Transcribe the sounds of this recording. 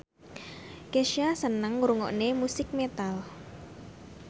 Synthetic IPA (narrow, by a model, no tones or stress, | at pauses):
keʃijasənəŋuɾuŋɔ̰ʔnemusɪk̚met̪al